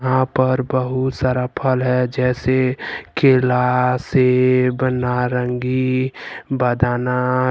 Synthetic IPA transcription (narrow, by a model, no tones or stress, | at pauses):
ɦãpəɾbəɦut̪saɾapʰəlɦɛd͡ʒɛːsekeːlasebənaɾəŋɡi | bəd̪ʱaːna